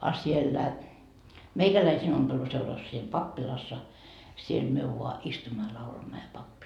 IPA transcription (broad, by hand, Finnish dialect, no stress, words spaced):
ɑ sielːæ meikælæisiːn ompeluseurɑs siːm pɑpːilɑsːɑ siel myø ʋuɑ istumːɑ jɑ lɑulɑmːɑ jɑ pɑpːi